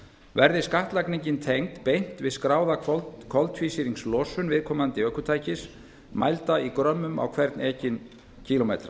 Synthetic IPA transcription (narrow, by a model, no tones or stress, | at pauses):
vɛɾðɪskaht̪lajkniɲcɪnt̪ʰejŋt̪pejn̥t̪vɪskɾaːwðakʰɔlt̪fiːsiɾiŋslɔːsʏnvɪðkʰɔːmant̪ɪœːhkʏt̪ʰaːjcɪs | ma̰jlt̪aikɾœmːʏma̰wkʰvɛɾt̪nɛːcɪn | cʰiːlɔmḛjt̪ɾa